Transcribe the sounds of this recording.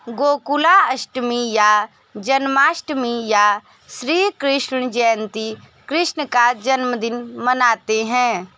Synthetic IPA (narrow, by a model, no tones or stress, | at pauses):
ɡoːkulaɐʃʈmija | d͡ʒɐnmaːʃʈmija | sɾiːkɾɪʃɳ̃d͡ʒɛːnt̪i | kɾɪʃɳəkad͡ʒɐnməd̪ɪnmənaːt̪eɦɛ̃ː